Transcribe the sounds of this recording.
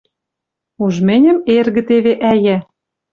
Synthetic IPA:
uʒmɘ̆nʲə̆merɣɘ̆t̪eβeʔæjæ

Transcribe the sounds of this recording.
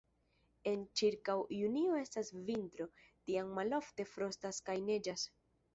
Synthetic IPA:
e̞nt͡ʃiɾkawjunio̞e̞stasvintɾo̞tiaŋːalo̞fte̞fɾo̞staskajne̞d͡ʒas

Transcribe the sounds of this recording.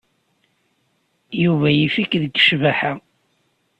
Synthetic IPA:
juvæjifikðəɡʃvæħa

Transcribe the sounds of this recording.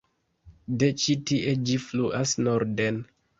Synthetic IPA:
det͡ʃitiʔed͡ʒifluʔasnoɾden

